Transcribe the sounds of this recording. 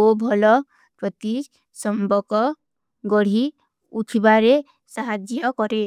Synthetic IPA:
obʱɔlɔ | pɾɔt̪i | sɔmbɔkɔ | ɡɔɽ̤i | ut̪ʰibaɾe | saɦad͡ʒjjɔkɔɾe

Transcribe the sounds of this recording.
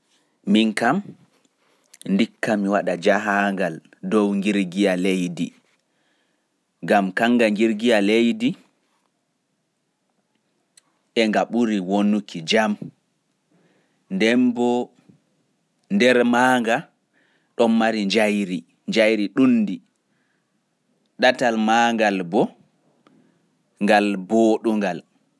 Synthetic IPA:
miŋkam | ndikːamiwaɗad͡ʒaɦaŋɡal | dɔwŋɡiɾɡijalejdḭ | ɡamkaŋɡaŋɡiɾɡijalejdi | ɛŋɡaɓuɾiwonukʰid͡ʒam | ndɛmbɔ | ndɛɾmaːŋɡa | ɗɔmmaɾiɲd͡ʒajɾi | ɲd͡ʒajɾiɗunːdi | ɗatalmaːŋɡalbɔ | ŋɡalbɔɗuŋɡal

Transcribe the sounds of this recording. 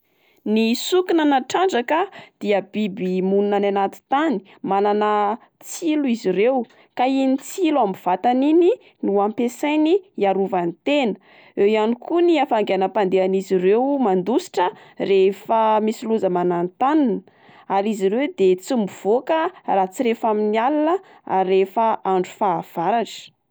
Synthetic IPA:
nisukinanaʈ͡ʂaɳɖ͡ʐakəd̪̥iəbibimununananat̪i̥t̪ani̥ | malanə | t͡siluiziɾew | kainit͡siluambiv̥at̪anini | nuampesajniaɾuvanit̪enə̥ | ewjanikuniafaŋɡeanəpand̪eanizirewmand̪usi̥ʈ͡ʂə | refəmisiluzəmanant̪aninə | aɾiziɾewd̪et͡simuv̥okərat͡siɾefaminialinə | arefəaɳɖ͡ʐu̥faːv̥aɾaʈ͡ʂə̥

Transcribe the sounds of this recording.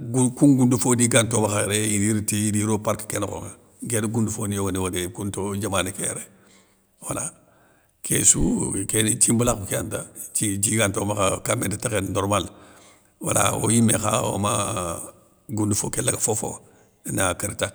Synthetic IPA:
ɡukunɡundufodiɡantomaxajɾejidiɾtijidiɾopaɾkkenko̰ŋa | ɡedɡundufonijoɡaniwodekuntod͡ʒamanikḛj̰ɾe | wala | kʰḛsṵkent͡ʃimbulakukea̰ntat͡ʃid͡ʒiɡantomaxakameditakenoɾmal | wa̰la̰wo̰jimexa̰wo̰ma | ɡundufo̰kelaɡafofo̰ | nakaɾta

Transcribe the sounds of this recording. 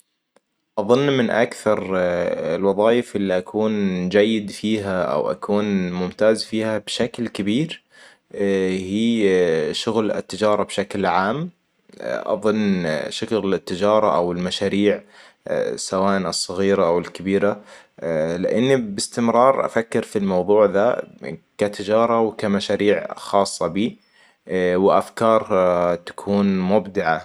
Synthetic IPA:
ʔɑðˤʊnːmɪnʔakθɑɾˤɪlwɑðˤɑːjɪfʔɪlːiʔakʰuːnd͡ʒajːɪd̪fiːɦaʔa̰wʔa̰kʰuːnmʊmt̪aːzfiːhabʃaklkɪbiːɾ | hiːʃʊɣlɪ̰t̪ːɪd͡ʒɑːɾˤɑbʃaklʕaːm | ʔɑ̰ðˤɨnːʃʊklɪt̪ːɪd͡ʒɑːɾˤɑʔawɪlmaʃaːɾiːʕ | sawaːʔnɨsˤːɑɣiːɾaʔawɪlkɪbiːɾa | lɪʔɪnːibɪst̪ɪmɾˤɑːɾˤʔa̰fakːɪɾfilmɑwðˤuːʕðakat̪ɪd͡ʒɑːɾˤɑwɪkamaʃaːɾiːʕxɑːsˤːɑbiː | wɪʔa̰fkɑːɾˤt̪ḁkʰuːnmʊbd̪ɪʕa

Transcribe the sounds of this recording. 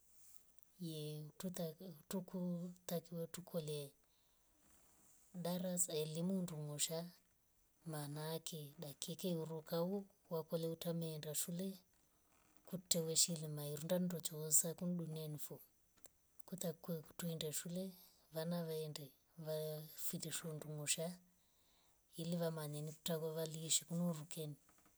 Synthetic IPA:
jɛutukut̪akiwɛtukʰɔlɛ | ɗaɾasaɛlimunduŋɔʃa | manaːkʰɛɗakikɛuɾukau | wakɔlɛutamɛːndaʃulɛ | kutɛwɛʃilimaiɾundandɔt͡ʃɔsakunɗunianifɔ | kut̪akɛku̥tuindɛʃulɛ | ʋanaʋaɛndɛ | ʋafitɛʃɛunduŋuʃa | iliʋamanɛniku̥takwaʋaliʃikunɔurukɛni

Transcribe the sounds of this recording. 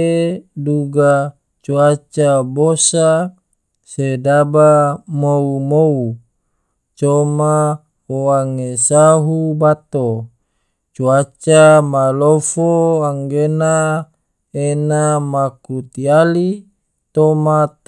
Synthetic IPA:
eduɡa | t͡ʃuat͡ʃabosa | sedabamoumou | t͡ʃoma | oaŋesaɦubat̪o | t͡ʃuat͡ʃamalofoaŋɡena | enamakut̪iali | t̪omat̪

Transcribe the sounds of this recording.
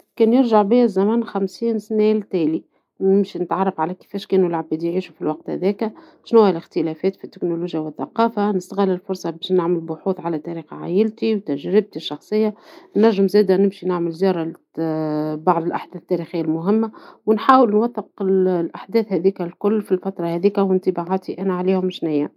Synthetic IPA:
kɛːnjɪɾʒaʕbɪjːæzːæmæːnxæmsiːnsnæːlt̪æːli | nɪmʃinɪt̪ʕɑrˤːɑfʕalækɪ̥fɛːʃkɛːnulʕabiːd̪ijʕiːʃufilwɑq̚t̪hæ̰ðɛːkæ | ʃnuwːælɪxt̪əlɛfɛːt̪fit̪ːɪknoluːʒjawɪθːɑqɑːfanɪst̪ɣɪlːɪlfʊɾˤsˤɑbɛːʃnaʕməlbʊħuːθʕalæt̪æɾiːxʕa̰ːjɪlt̪iwt̪æʒɾɪb̚t̪iʃːɑxsˤɨjːanːæʒːɪmzæːd̪ænɪmʃinaʕməlzjɑːɾˤɑ | bɑʕðˤɪlʔaħd̪ɛːθt̪ːæɾixɪjːalmʊɦɪmːawɪnħaːwəlnwɑθːəqllʔaħd̪ɛːθhæðiːkælkʊlːfilfæt̪ɾˤɑhɛðiːkæwɪnt̪əbaʕaːt̪iʔænæʕaliːhʊmʃnɪjːæ

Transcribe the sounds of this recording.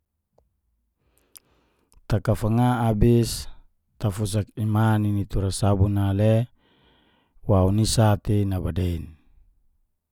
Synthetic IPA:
t̪akafaŋaːbis | t̪afus̬akimaninit̪uɾasabunale | waunisat̪inabadein

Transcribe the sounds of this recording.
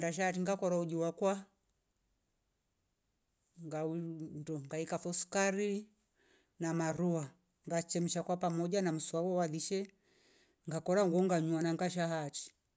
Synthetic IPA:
daʃ̬ahat̬iŋɡakɔɾaud͡ʒiwakwa | ŋɡaundɔŋɡaikafɔskaɾi | namaɾua | ŋɡat͡ʃɛm̩ʃakwapamɔd͡ʒanam̩swawɔwaðiʃɛ | ŋɡakɔɾaŋɡɔŋɡaɲuanaŋɡaʃ̬aɦati̥

